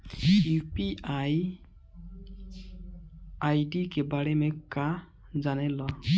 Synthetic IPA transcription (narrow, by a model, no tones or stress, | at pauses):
upiaj | ajɖikebaɽɛmeka | zanɛlɔ